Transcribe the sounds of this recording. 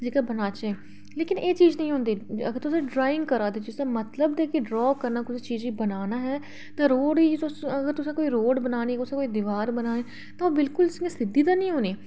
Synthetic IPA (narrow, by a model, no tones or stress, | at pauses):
d͡ʒeːkaːbənaːt͡ʃẽː | leːkɪneːt͡ʃiːznəĩɦʊ̃ːnd̪iːə̰ɡəɾt̪ʊsẽːɖɾaːɪ̃ŋɡkəɾaːd̪eːd͡ʒɪsãːmət̪ləbd̪eːkeɖɾɔːkəɾnaːkʊt͡ʃʰːt͡ʃiːziːbənaːnaːɦɛː | t̪ãːɾoːɽiːt̪ʊsəɡəɾt̪ʊsãːkoːiːɾoːɖbənaːniːt̪ʊsãkoːid̪ɪʋaːɾbənaːneː | t̪ãːbɪlkʊlsesɪd̪ːiːd̪aːnəĩːɦoːneː